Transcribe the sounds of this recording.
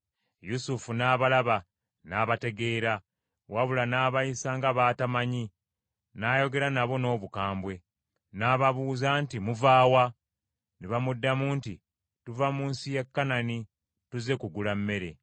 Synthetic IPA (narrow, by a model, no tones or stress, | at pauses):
jusufunaːβalaβa | naːβate̞ɡe̞ːɾa | waβulanaːβajisaŋɡaβaːtamaɲi | naːjo̞ɡe̞ɾanaβo̞no̞ːβukaːmbwe̞ | naːβaβuːzaːntimuvaːwa | neβamudːamuːnti | tuvamuːnsijekːanani | tuze̞kuɡulamːe̞ɾe̞̰